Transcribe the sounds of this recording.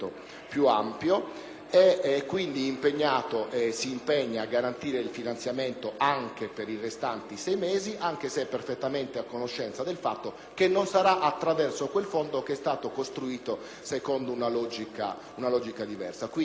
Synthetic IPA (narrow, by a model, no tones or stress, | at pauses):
o̰ | pjuampjo | ɛkːwind̪iːmpeɲːaːt̪oʔɛsiːmpɛɲːaːɡːaɾant̪iːɾeilfinant̪sjament̪oʔaŋkepeɾirest̪ant̪isɛjmeːziʔaŋk̟eseɛpːerfet̪ːament̪eakːonoʃːɛnt̪sad̪elfat̪ːo | kenːonsaɾaʔat̪ːɾavɛrsokwelfond̪okeɛst̪aːt̪okost̪ɾuiːt̪o | sekond̪ounalɔd͡ʒika̰ | unalɔd͡ʒikad̪ivɛ̰rsakwi